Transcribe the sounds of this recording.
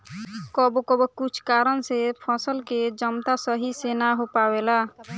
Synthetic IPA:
kɔbkɔbɔkʊt͡ʃʰkaːɾənsepʰəsəlked͡ʒəmt̪asəɦisenaɦopaːwela

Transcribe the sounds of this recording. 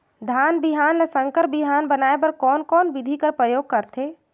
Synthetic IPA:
d̪ʱaːnbiɦaːnləsə̃ŋkəɾbiɦaːnbənaːepɐɾkɔːnkɔːnbɪd̪ʱikəɾpɾəjoːɡ̚kəɾt̪ʰeː

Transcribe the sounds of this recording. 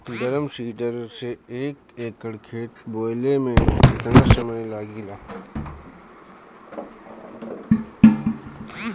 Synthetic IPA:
d̪ɐɾəmsiːʈəɾseeːkeːkːəɽkʰeːʈboːlemẽɪt̪nasɐməjlaːɡilaː

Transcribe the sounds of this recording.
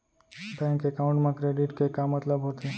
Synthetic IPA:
t̪ɛ̃ŋkekaʊ̃ɳʈmãkɾeɖiʈkekamːət̪ləbɦot̪i

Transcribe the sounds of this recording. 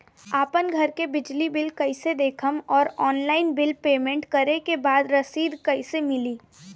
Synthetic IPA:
aːpənɡʱɐɾkebɪd͡ʒlibɪlkɐɪsed̪eːkʰəmɔːɾɔːnlaːɪnbɪlpeːmẽɳʈkɐɾekebaːd̪ɾɐsiːd̪kɐɪsemɪliː

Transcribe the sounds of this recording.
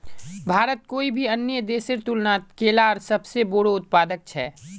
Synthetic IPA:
bʱaːɾət̪̚koːibʱiɐnjəd̪eːsɪɾt̪ulnat̪keːlaːɾsɐbseboːɽoʊt̪̚paːd̪ək̚t͡ʃʰɛː

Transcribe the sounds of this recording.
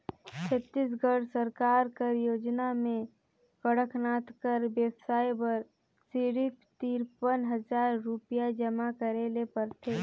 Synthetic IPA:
t͡ʃʰət̪ːis̬ɡʱəɽsəɾkaːɾkəɾjoːd͡ʒnamẽ | kəɽəkʰnaːt̪kəɾbjəbsaːjbəɾ | siɾɪtt̪iɾpənɦəzaːɾːupijad͡ʒəmakəɾeːlepəɾt̪ʰeː

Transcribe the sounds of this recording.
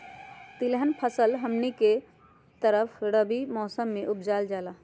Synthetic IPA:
t̪ilɦənpʰəsəlɦəmnike | t̪əɾəpʰɽəbimɔːsəmːeʔupd͡ʒald͡ʒala

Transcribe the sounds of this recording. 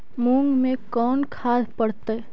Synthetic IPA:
mũːŋɡmẽkɔːnkʰaːd̪ʱpəɽt̪a

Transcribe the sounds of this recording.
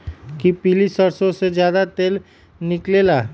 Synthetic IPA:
kipiːlisəɾsõsed͡ʒjaːd̪at̪eːl | nɪkleːlaː

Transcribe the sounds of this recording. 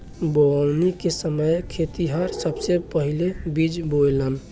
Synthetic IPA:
boawnikesəməjkʰet̪iɦaɾsəbsepəɦilebid͡ʒbojlən

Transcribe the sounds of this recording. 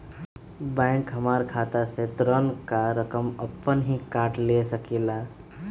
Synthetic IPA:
bɛ̃ːŋkɦəmaːɾkʰaːt̪aset̪ɾənkaɾəkəməpːənɦĩkaːɾʈlesəkila

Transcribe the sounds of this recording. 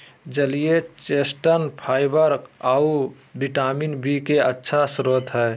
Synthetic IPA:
d͡ʒəlijet͡ʃesʈənpʰaːɪbəɾkau | biʈaminbikeətːʃʰasɾot̪ɦɛː

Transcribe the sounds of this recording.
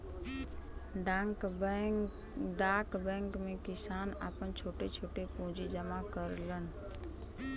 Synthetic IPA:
ɖ | ɖaːkbɛ̃ːŋkmẽkɪsaːna̰ːpənt͡ʃʰoːʈet͡ʃʰoːʈepõːd͡ʒid͡ʒəmakəɾlənɪ

